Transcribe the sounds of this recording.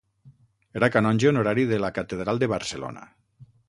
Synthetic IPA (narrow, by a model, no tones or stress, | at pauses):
eɾakanɔnʲʒeunoɾaɾiðelakat̪eðɾalˠd̪eβaɾselo̰na̰